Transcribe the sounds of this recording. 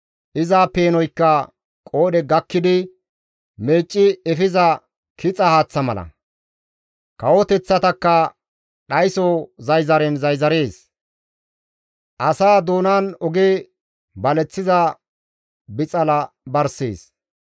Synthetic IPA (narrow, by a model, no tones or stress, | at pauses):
ʔɪzaːpe̞ːnɔjkːɐ | kʼo̞ːdɛɡɐkːɪd̪ɪ | me̞ːt͡ʃʼːɪɛfɪzɐ | kɪt͡sʼɐhaːt͡sːɐmɐlɐ̰ | kɐwɔt̪ɛt͡sːɐt̪ɐkːɐ | ɗɐjsɔzɐjzɐɾɛnzɐjzɐɾeːs | ʔɐsaːd̪oːnaːnɔɡe | bɐlɛt͡sːɪzɐ | bɪt͡sʼɐlɐbɐɾsḛːs